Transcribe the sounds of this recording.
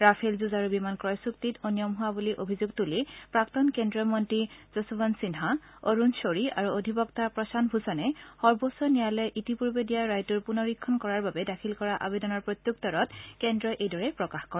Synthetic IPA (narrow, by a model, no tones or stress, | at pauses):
ɹapʰelzuzaɹubimankɹɔjsuktitɔnijɔmɦʊwabuliʔobʱizuɡ̚tulipɹaktɔnkɛndɹɔmɔntɹiz̥ɔsɔbɔnsinɦa | oɹunsoɹia̰ɹuodʱipɔktapɹɔsanbʱusɔnɛxɔɹbosɔnijalɔjʔitipuɹbedijaɹajtuɹpunɔɹikʰːɔnkɔɹaɹbabɛdakʰilkɔɹaʔa̰bedɔnɔɹpɹot̪juk̚tɔɹɔtkɛndɹɔjʔejdɔɹɛpɹɔkaxkɔɹɛ